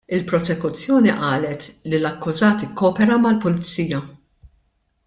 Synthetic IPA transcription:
ɪlpɾɔsɛkʊt͡sːjɔːniʔɐːlɛt̪lilɐkːʊzɐːt̪ɪkːɔːpɛɾɐmɐlpʊlɪt͡siːjɐ

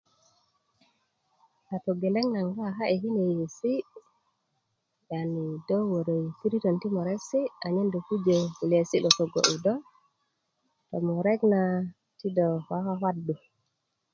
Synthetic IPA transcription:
ʔatɔɡɛlɛŋnaŋɡaɦaʔɛɦinɛjesi | janidɔwwɔɾɛjtiɾitɔntimɔɾɛsiaɲɛndukud͡ʒɛlesiɗɔtɔɡɔ̰ʔudɔ | tɔmɔɾɛɡna | tidɔwawawadːu

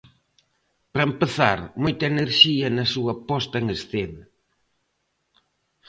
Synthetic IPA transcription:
pɾɐempəθaɾmojt̪ɐeneɾʃiɐnɐsuɐpɔst̪ɐŋesθenɐ

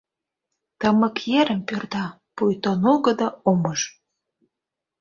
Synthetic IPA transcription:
t̪əməkjeɾə̆mpørd̪ɑ | pujt̪onoɣəd̪ɑoməʒ

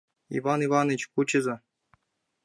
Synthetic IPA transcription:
ḭvɑnivɑnet͡ɕkut͡ɕɘ̆zɤ̆

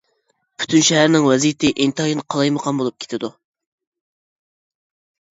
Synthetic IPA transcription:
pʰy̥t̪ʰynʃɛɦæɾnɪŋwɛzijt̪ʰɪʔint̪ʰɑjinqʰɑlˠɑjməqʰɑnbolˠup̚kʲʰe̥t̪ʰɪd̪u

